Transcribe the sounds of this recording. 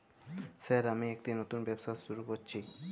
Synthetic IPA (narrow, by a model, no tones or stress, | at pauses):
sɛɾamiɛkʈinot̪unbɛbsaʃuɾukoɾt͡ɕʰi